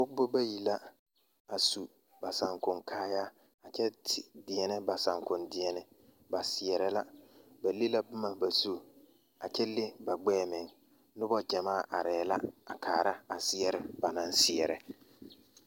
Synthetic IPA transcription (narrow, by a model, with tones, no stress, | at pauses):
bʊ˦kbʊ˦ba˦ji˨la˦ | a˨su˨ | ba˨sa˨ŋkʊ˨ŋkʰaː˦ja˦ | a˨t͡ʃɛ˦tʰɪ˨dɪ˨ɛ˨nɪ˦ba˨sa˨ŋkʊ˨ndɪ˨ɛ˨nɪ˦ | ba˨sɪ˨ɛ˨ɾɪ˦la˦ba˨li˦la˦bʊ˦ma˨ba˨su˦ | a˨t͡ʃɛ˦lɪ˦ba˨ɡ͡bɛː˦mɪ˨ŋ | nʊ˦bɔ˦d͡ʒɛ˨maː˦˨ʔa˨ɾɛː˨la̰˦a˨kʰaː˨ɾa˦a˨sɪ˦ɛ˦ɾɪ˦ba˨na˦n˦sɪ˦ɛ˨ɾɪ˨